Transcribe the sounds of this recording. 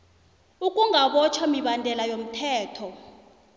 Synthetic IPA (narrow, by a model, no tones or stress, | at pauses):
ukʼuŋʱaɓɔt͡ʃʰwamiɓandʱɛlajom̩tʰɛːtʰɔ